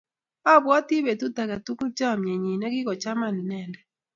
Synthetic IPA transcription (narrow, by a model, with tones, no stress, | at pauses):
a˦˨bwa˦ti˦be˨tu˦t̪a˨ka˨tu˦kt͡ʃa˦˨mɲe˨ɲi˨nɛ˦ɡɪ˦kɔ˨t͡ʃa˦ma˦˨n˨nɛ˦˨ndɛ˨